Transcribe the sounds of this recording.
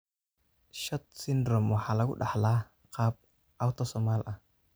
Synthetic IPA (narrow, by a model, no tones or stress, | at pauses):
ʃɔt̪̚sindɾɔmwaħalaɡṵɗaħla | qap̚ | ʔawt̪osɔmalʔa